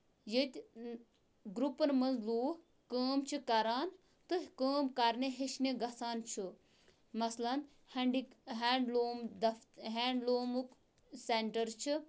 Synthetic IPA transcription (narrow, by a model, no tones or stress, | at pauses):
jit̪ʲ | ɡɾupɐnmɐnzluː | kəːmt͡ʃʰikɐɾaːn | t̪ɨkəːmkɐɾneɦeʃneɡɐsaːnt͡ʃʰɨ | mɐslɐn | heɳɖiɦeːɳɖloːmd̪ɐɦeːɳɖloːmuk | seɳʈɐɾt͡ʃʰi